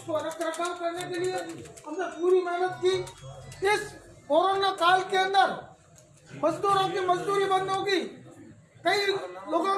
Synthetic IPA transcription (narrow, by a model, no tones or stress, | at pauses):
koɾɐkʰɾəkaːlkɐɾnekelieɐpneuːɾimɛɦnət̪̚ki | ɪskoːɾonakaːlkeə̃nd̪əɾ | mɐzd̪uːɾõkimɐzd̪uːɾibə̃nd̪ʱõkiː | kɐiloːɡõ